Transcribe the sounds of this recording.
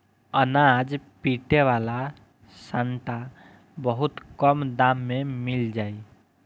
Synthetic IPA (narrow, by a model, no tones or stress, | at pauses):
ənad͡ʒpiʈeʋala | saɳʈa | bəɦut̪kəmd̪amːemild͡ʒaːi